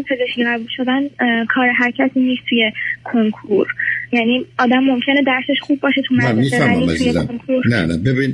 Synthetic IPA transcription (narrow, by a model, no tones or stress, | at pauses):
pʰe̞zeʃcʲʰiɣæbuːlʃo̞d̪ænkʰɒːɾeɦæɾcʰæt̪ʰiːniːst̪t̪ʰuje̞kʰo̞ŋkʰuɾjæniːɒːd̪æmːo̞mcʰe̞ned̪æɾse̞ʃχubːɒːʃet̪ʰumææmifæɾiḭt̪ʰujekoŋkʰuɾnænæbebin